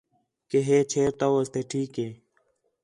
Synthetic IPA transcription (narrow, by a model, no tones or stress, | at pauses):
keɦeːt͡ɕʰeːɾt̪owɐst̪eʈʰiːkeː